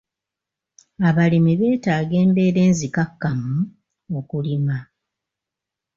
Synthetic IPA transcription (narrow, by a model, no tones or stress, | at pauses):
aβalemiβe̞ːtaːɡe̞ːmbe̞ːɾe̞ːnzikakːamu | okulima